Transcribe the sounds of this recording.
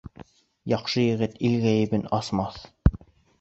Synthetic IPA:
jɑχʃɤjɘ̆ʁɘt̪ilɡæjɘ̆bɘnɑsmɑθ

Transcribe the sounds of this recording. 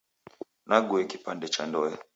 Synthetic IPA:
naɡuɛki̥pandɛt͡ʃandɔɛ

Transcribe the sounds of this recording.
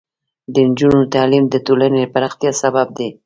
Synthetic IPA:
d̪ənd͡ʒunot̪ɑlimd̪ət̪olanepaɾaxt̪jɑsabab̚d̪e

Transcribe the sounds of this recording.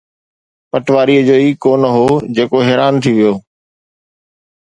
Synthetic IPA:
pəʈʋaːɾiːəd͡ʑoːiːkoːnəɦoːd͡ʑeːkoɦɛːɾaːnt̪ʰiʋɪjoː

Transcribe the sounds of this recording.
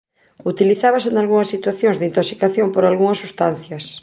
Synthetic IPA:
ut̪iliθaβasenalɣuŋɐsːit̪waθjoŋzðeint̪oksikaθjompoɾalɣuŋɐsːust̪an̟θjɐs

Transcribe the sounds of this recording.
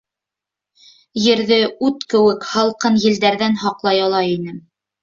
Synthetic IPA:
jɘ̆ɾðɘʉt̪kɘ̆wɘkhɑlˠqɤnjɘ̆ld̪æɾðænhɑqlˠɑjɑlˠɑjinɘm

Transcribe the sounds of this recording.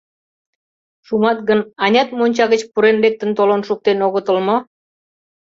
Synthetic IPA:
ʃumɑt̪̚ɡənɑnʲɑt̪monʲt͡ɕɑɣət͡ɕpuɾenlek̚t̪ə̆nt̪olonʃuk̚t̪enoɣət̪əlmo

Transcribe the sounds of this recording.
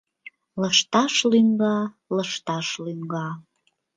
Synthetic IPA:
ləʃt̪ɑʃlyŋɡɑ | ləʃt̪ɑʃlyŋɡɑ

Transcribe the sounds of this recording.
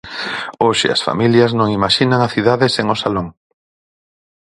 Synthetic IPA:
oʃɪ̰ɐ̰sfa̰miljɐznõŋimaʃinaŋaθiðaðɪseŋʊsaloŋ

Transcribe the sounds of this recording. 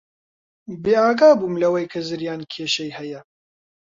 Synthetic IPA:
beːaːɡaːbumlɐwɐjkʰɐzɨɾjaːnkʰeːʃɐjhɐjɐ

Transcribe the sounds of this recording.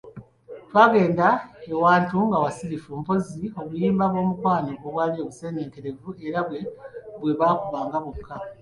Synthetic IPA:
twaːɡe̞ːndaewaːntuŋɡawasiɾifumpo̞zio̞kujiːmbaβo̞ːmukwaːnoɡoβwaːlie̞βuse̞ːneːŋke̞ɾe̞vueɾaβwe̞βweβaːkuβaːŋɡaβuukʰːa

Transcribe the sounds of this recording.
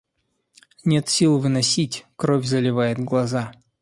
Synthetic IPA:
nʲe̞t̪sʲilˠvɨnɐsʲitʲkɾovʲzəlʲɪvajɪt̪ɡlˠɐza

